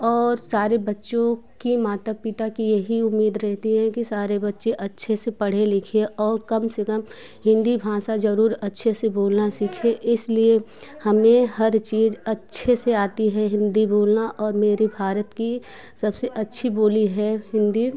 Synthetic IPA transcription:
ɔːɾsaːɾebɐtːʃõkimaːt̪əpɪt̪akijɐɦiʊmːiːd̪ɾɛɦt̪iɦɛ̃kisaːɾebɐtːʃeʔɐtːʃʰesepɐɽ̤elɪkʰeɔːɾkɐmsekəm | hɪ̃nd̪ibʱãːsazɐɾuːɾɐtːʃʰeseboːlnaʃiːkʰeʔɪsliehɐmẽhɐɾt͡ʃiːzɐtːʃʰeseaːt̪iɦɛɦɪ̃nd̪iboːlnaʔɔːɾmeːɾibʱaːɾət̪ki | sɐbseʔɐtːʃʰiboːliɦɛhɪ̃nd̪i

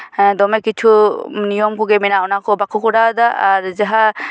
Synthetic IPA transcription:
d̪ɔmɛkit͡ʃʰunijɔmkʰɔɡɛminaɔnakʰɔbakʰɔkɔɾad̪aːɾd͡ʒaɦa

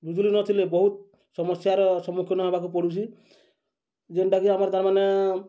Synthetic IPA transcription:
bud͡ʒ̪ulinɔt̪ʰilebɔɦut̪̚ | sɔmɔsjaɾɔsɔmːukʰjɔnɔɦebakupɔɽut͡ʃʰi | d͡ʒeɳʈakiamaɾt̪aɾmane

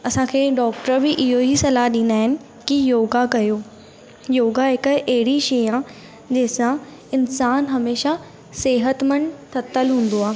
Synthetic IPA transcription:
ɐsãkʰeːɖɔːk̚ʈəɾbɪʔɪɦoɦisɐlaːɦɗĩːnd̪aːɦɪnɪ̆ | kijoːɡakɐjoː | joːɡaɦɪkɐɦɪɽiʃejãː | d͡ʑeːɪsã | ɪnsaːnɦɐmeːʃa | seːɦət̪mɐɳɖt̪ʰɐt̪ːəlɦũːn̆d̪oaː

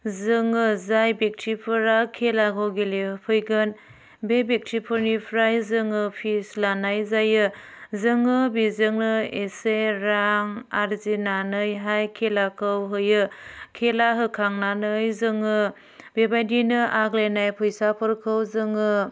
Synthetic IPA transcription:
zɯŋɯzajbek̚tʰipʰɯɾakʰːelakʰawɡelepʰɯjɡɯn | bebek̚tʰɾipʰɯɾnipʰɾajzɯŋɯpʰislanajzajɯzɯŋɯbizɯŋnɯeseɾaŋaɾzinanɯjɦajkʰelakʰɯwɦɯjɯkʰelaɦɯkʰaŋnanɯjzɯŋɯ | bebajdinɯʔaklenajpʰɯjsapʰɯɾkʰɯwzɯŋɯ

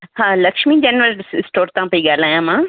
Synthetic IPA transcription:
hãːlɐkʃmid͡ʑɐnʋəɾɪsʈoːɾt̪ãpɐiɠaːl̤aːjãmãː

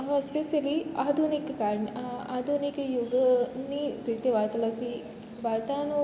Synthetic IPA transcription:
ɦspeʃəliad̪ʱunikːaɾɳad̪ʱunikjuɡniɾit̪eʋat̪ləkʋi | baɾt̪ano

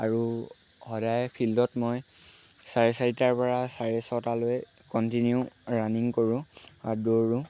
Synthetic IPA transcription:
aɹu | hɔdajpʰildɔtmoj | saɹesaɹitaɹpɔɹasaɹesɔtalojkɔntinjuɹaniŋkoɹʊ̃adoɹʊ̃

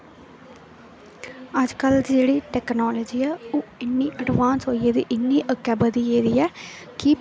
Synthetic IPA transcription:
əd͡ʒkəld͡ʒeːɽiːʈɛːknɔːləːd͡ʒiːɛːoːɪnːiːʔəɖʋaːnsɦoːieːd̪iːʔɪnːiːʔəkːɛːbəd̪iːeːd̪iːɛː | kɪ

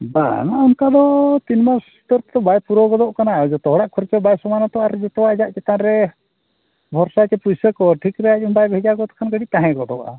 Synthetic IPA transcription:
ba̰naʔɔnkad̪ɔt̪inmasut̪ɔɾt̪ɛd̪ɔbajpuɾɔɡɔd̪ɔʔkanaɔd͡ʒɔt̪ɔɦɔɽaʔkʰɔɾɛt͡ʃɔbajsɔmanat̪ɔʔaɾɛd͡ʒɛt̪ɔwad͡ʒaʔt͡ʃɛt̪anɾɛ | bʱɔɾsat͡ʃɛpusəkɔʈʰikɾɛaumbajbʱɛd͡ʒaɡɔt̪ɔ̥kʰanɡəɽiʔ̚t̪aɦɛ̃ɡɔd̪ɔ̰ʔa̰

